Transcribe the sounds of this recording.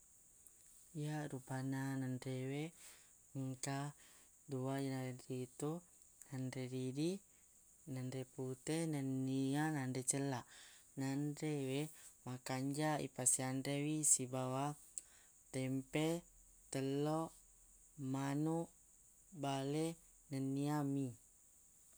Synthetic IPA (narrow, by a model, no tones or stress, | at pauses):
ijaɾupananandɾewe | əŋka | duajənaɾenrit̪u | nanɾedidi | nanɾeput̪enənːianandet͡ʃəlanandɾewemakaɲd͡ʒaḭpasianɾewisibawa | t̪ɛmpe | t̪əlo | manu | bale | nənːiami